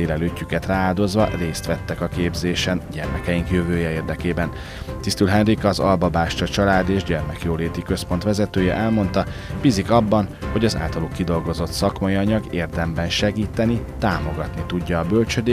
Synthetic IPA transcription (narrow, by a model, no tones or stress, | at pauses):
eːlɛløːcːykɛt̪raːaːd̪o̞zʋɒreːst̪ʋɛt̪ːɛkɒkeːbzeːʃɛnɟɛ̰rmɛkɛjiŋkjøvøːjɛeːrd̪ɛkeːbɛn | t̪ist̪ylɦɛnrikɒːzɒ̰lbɒbaːʃt͡ʃɒt͡ʃɒlaːd̪eːʒɟɛrmɛkjoːleːt̪ikø̞spo̞n̪t̪ʋɛzɛt̪øːjɛʔɛlmo̞nt̪ɒ | b̥izikɒbːɒnho̞ɟɒza̰ːlt̪ɒlukːid̪o̞lɡo̞zo̞t̪sɒkmɒjiɒɲɒɡeːrd̪ɛmbɛnʃɛɡiːt̪ɛnit̪aːmo̞ɡɒt̪nit̪uɟːɒːbølt͡ʃød̪eː